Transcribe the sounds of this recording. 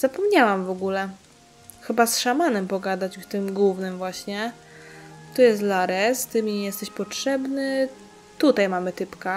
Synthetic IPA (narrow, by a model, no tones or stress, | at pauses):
z̥apɔmɲawamvɔɡulɛ | xɘbasʂamanɛmpɔɡad̪at͡ɕt̪ɘmɡwuvnɘmvwaɕɲɛ | t̪ɔjɛst̪laɾɛst̪ɘmʲɲɛjɛst̪ɛɕpɔtʂɛbnɘ | t̪ut̪ajmamɘt̪ɘpka